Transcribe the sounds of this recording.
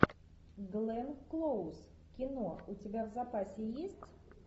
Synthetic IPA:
ɡlˠɛnklˠows | kʲinɔut͡sʲabʲawzapasʲɛjesʲt͡sʲ

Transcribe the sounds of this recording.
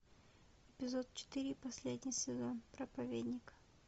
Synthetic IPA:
ɪpʲɪzo̞t̪̚t͡ɕɪ̥t̪ɨɾʲɪpɐsʲlʲedʲnʲɪjsʲɪzo̞npɾəpɐvʲed̪ʲnʲɪkə̥

